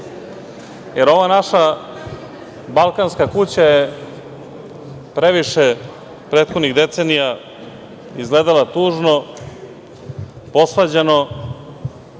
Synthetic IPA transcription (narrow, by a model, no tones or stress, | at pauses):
jeɾo̞ʋanaʃa | balˠkanskakut͡ɕaje | pɾeʋiʃe | pɾe̞ːt̪xo̞d̪niɣd̪e̞t̪se̞nija | izɡled̪alat̪uːʒno̞ | po̞sʋad͡ʑeno̞